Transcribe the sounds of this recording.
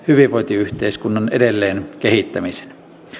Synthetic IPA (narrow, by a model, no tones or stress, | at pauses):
hyʋiʋʋoit̪iyht̪eiskunːɑnedelːeːnkehit̪ːæmise̥n